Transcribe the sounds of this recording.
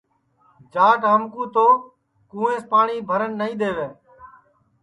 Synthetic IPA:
d͡ʒaːkɦəmkũːt̪oː | kũːẽːspaːɳiːbʱəɾənːəĩːɗ̪eːʋeː

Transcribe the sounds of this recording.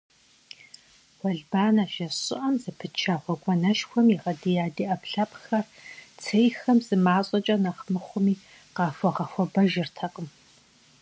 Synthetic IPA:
wʷɔɮbaːnaʒɐɕʼɪ̰ʔɐmzɨpʰɨt͡ʃʰaːʁʷɔkʷʼɔnɐʃxʷɔmjiʁɐdijaːdiːʔɐpɬɐpʼxɐrt͡sʰejxɐmzɨmaːɕʼɐt͡ʃʼɐnɐχmɨχʷʊmiː | qɑːfɔʁɐxʷɔbɐʒɪrtʰɐqʼəm

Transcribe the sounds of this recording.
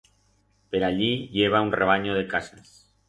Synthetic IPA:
peɾaʎiʎeβ̞aunreβ̞aɲoð̞e̞kasas

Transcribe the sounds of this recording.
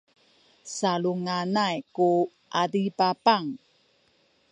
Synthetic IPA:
saluŋanajku | ʔaɾipapaŋ

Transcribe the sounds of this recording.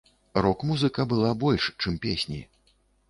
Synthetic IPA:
rɔkmuzɨkɐbɨlˠabɔlʲʂt͡ʂɨmpʲesʲnʲḭ

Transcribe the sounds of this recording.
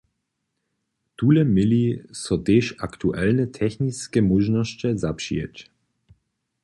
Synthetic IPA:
tuːlɛmɪlisɔteːʃaktuʔɛlnətʰɛxniskəmuʒnɔst͡ʃɛzapʃḭɛ̰t͡ʃ

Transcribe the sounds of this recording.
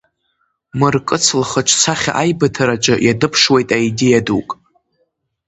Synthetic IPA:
mɨrkʼɨt͡sʰlχəʈ͡ʂʷʰt͡sʰaχʲaʔajbɨtʰaɾaʈ͡ʂʷʼɨjadɨpʰʂwe̞jtʼaidejadukʼ

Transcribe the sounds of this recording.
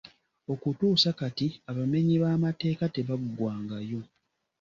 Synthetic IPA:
o̞kutuːsakatiaβame̞ɲiβaːmate̞ːkate̞βaɡːwaːŋɡajo̞

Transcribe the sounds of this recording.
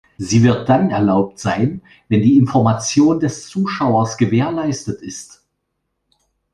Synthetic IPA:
ziːvɪɐt̚d̥anɛɐlaʊp̚tz̥aɪn | vɛndiːɪnfɔɐmat͡sjoːndɛst͡suːʃaʊɐsɡ̥əveːɐlaɪstətɪst

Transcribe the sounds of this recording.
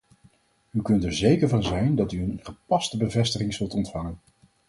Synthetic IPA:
ykɵntɛɹzejkəɹvɑnzɛjndɑtyənχəpɑstəbəvɛstəχɪŋzɵlˠtɔntfɑŋən

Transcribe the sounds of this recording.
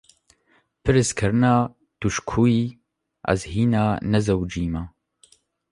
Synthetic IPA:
pʰɨɾɨskʰɨɾɨnɑː | d̪̥uʃkʰuːiː | ʔɐ̰zhiːnaːnɛzɐwd͡ʒiːmaː

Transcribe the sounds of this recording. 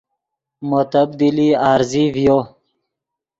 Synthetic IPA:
mot̪əb̚d̪iliaːɾzivjo

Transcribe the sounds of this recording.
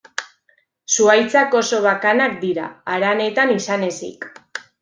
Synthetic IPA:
suajt͡sako̞so̞βakanak̚d̪iɾa̰ːɾane̞t̪anisane̞sḭk

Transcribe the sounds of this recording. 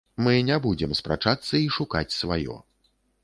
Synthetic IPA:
mɨnʲabud͡zʲɛmspɾa̰t͡ʂat̪sːɐiʂuka̰t͡sʲsvajɔ̰

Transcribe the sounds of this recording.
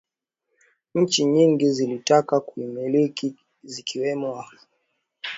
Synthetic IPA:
ɲ̩t͡ʃiɲiŋɡizilitakakuimiliki | zikʰiwɛmwa

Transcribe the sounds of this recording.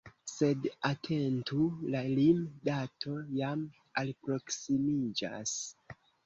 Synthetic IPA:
se̞datʰe̞ntulalimdatʰo̞jam | alpɾo̞ksimid͡ʒa̰s

